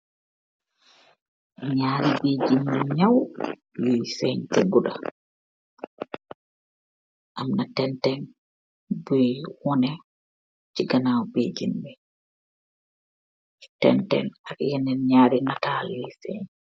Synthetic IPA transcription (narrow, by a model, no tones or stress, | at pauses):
ɲaːɾibeːd͡ʒinmɛɲaw | lijsɛɲtɛɡuɗa | ʔamnatɛntɛn | bujwɔnɛ | t͡ʃiɡanawbed͡ʒinmɛ | tɛ̰ntɛ̰nakjɛnɛnɲaːɾinatalijsɛ̰ɲ